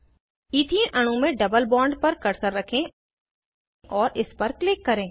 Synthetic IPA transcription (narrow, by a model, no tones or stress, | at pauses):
iːt̪ʰĩʔɐɽ̃ũmẽɖɐbəlbɔ̃ːɳɖpɐɾkɐɾsəɾːɐkʰẽ | ʔɔːɾʔɪspɐɾklɪkːɐɾẽː